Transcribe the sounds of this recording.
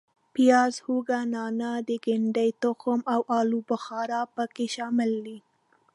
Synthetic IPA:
pijɑzhuɡanɑnad̪əɡɪɳɖajt̪ʊxʊmawʔɑlubʊxɑɾɑpəkeʃɑmɪlːi

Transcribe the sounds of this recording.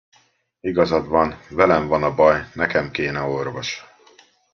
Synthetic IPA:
iɡɒzɒd̪vɒnvɛlɛɱvɒnɒbɒjnɛkɛmkeːnɛo̞rvo̞ʃ

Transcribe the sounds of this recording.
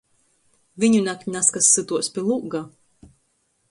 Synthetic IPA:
vʲiɲunʲakʲnaskasːɨt̪uɔspʲilˠuɡa

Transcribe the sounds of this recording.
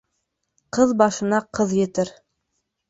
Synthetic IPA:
qɤðbɑʃɤ̆nɑqɤðjɘ̆t̪ɘɾ

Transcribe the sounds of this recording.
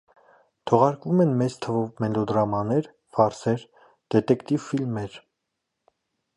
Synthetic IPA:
t̪ʰɔʁɑɾkvumɛnmɛt͡st̪ʰəvɔvmɛlɔd̪ɾɑmɑnɛɾ | vɑɾsɛɾ | d̪̥ɛt̪ɛkt̪ivfilmɛɾ

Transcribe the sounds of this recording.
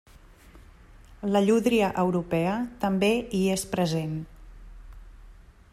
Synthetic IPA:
ləʎuðɾiəʔəwɾupɛət̪əmbeiespɾəzen

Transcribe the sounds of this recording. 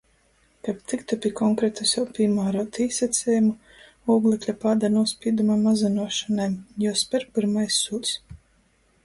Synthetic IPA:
kapt̪ikt̪apʲikɔŋkɾɛt̪usʲawpʲimaːɾɔt̪iːsɛt̪sʲɛjumu | uːɡlˠɛklʲapad̪anuɔspʲiːd̪umamazanuɔʃanajjɔspʲɛɾpiɾmajsːuːt̪ʲs

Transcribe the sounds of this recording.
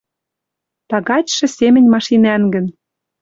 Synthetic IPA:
t̪ɑɣɑt͡ɕʃɤ̆sʲemɘ̆nʲmɑʃinæŋɡə̆n

